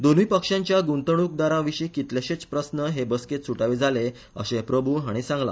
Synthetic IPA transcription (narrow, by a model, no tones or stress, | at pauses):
d̪onuipəkʂãɲt͡ɕjaɡunt̪əɽ̃uk̚d̪aɾãʋiɕikit̪leɕet͡spɾəsnəɦebəsket̪suʈaʋed͡zʱale | ə̰ɕẽpɾəbʱuːɦaɽ̃isãŋɡla̰